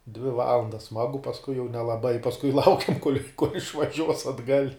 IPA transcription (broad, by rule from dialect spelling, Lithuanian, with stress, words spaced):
dʲʋʲɪ ˈʋɑːlˠɐndɐs ˈsmɑːɡʊ pɐsˈkʊɪ jɛʊ nʲɛlˠɐˈbɐɪ pɐsˈkʊɪ ˈlˠɐʊkʲɛm koːlʲ ɪʃʋɐˈʒʲuɔs ɐdˈɡɐlʲ